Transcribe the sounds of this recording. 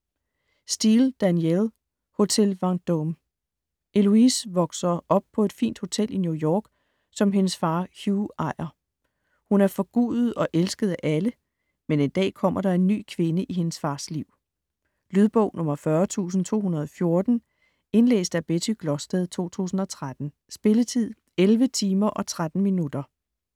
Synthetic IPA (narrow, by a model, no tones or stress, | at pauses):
sd̥iːld̥ænjel | ho̝t͡sʰelʋɑ̈ŋd̥om | ʔe̝luisʋɒ̽ɡ̥sɐʔɒ̽b̥̚pʰɒ̽e̝d̥fḭːnd̥ho̝t͡sʰel̰ʔinjujɒːɡ̥ | sɒ̽mɦe̝nəsfɑ̈ːhjuɑ̈ɪ̰ɐ | hunæɐfɒ̽ɡ̥ṵːðð̩ˠɒ̽ʔelsɡ̥əð̞̩ˠæʔælə | mene̝nd̥ɛ̰ːkʰɒ̽m̰ɐɾ̥ɑ̈e̝nːy̰ːkʰʋe̝nəʔiɦe̝nəsfɑ̈ːsliʊ̰ | lyð̞ˠb̥ɔ̰̽ʊ̰nʔɔ̽mɐfɶɐt͡sʰṵːs̬n̩t͡sʰo̝̰ːhunɐð̞̩ˠɒ̽fjo̝ɐd̥n̩ | e̝nlḛːsd̥æb̥edʰiɡ̥lɒsd̥ɛðˠt͡sʰo̝̰ːt͡sʰṵːsn̩ɒ̽t͡sʰʁad̥n̩ | sb̥e̝lət͡sʰið̞̰ˠ | elʋət͡sʰiːmɐʔɒ̽t͡sʰʁad̥n̩minud̥ɐ